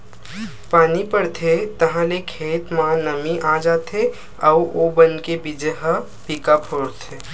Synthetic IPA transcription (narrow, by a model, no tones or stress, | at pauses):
paːnipəɽt̪ʰet̪əɦãlekʰet̪mãnəmiʔad͡ʒat̪ʰe | auobənkebid͡ʒeɦə | pikapʰoɽt̪ʰe